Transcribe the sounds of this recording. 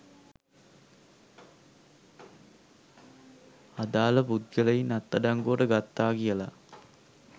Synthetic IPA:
ɐd̪aːləpud̪̚ɡəlejinɐt̪ːɐɖaŋɡoːɖəɡat̪ːaːɡijəla̰

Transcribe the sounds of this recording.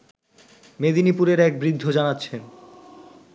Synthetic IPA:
med̪inipuɾeɾɛk̚bɾid̪ʱːod͡ʑanatːɕʰen

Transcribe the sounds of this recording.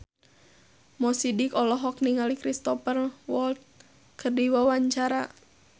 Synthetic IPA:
mɔsidikɔlɔɦɔk̚niŋalikɾist̪ɔpərwɔlt̪̚ | kʰərdiwawaɲt͡ʃaɾa

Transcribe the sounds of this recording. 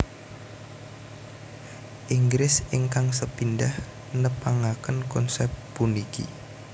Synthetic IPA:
ʔiŋɡɾɪsɪŋkaŋsəpindah | nəpaŋakənkɔnsɛp̚punikḭ

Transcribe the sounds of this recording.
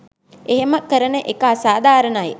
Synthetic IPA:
eɦeməkəɾənəʔekəasaːd̪ʱaːɾənaje

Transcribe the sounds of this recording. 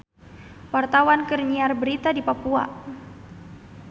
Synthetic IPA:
wart̪awankərɲiarbəɾit̪adipapua̰

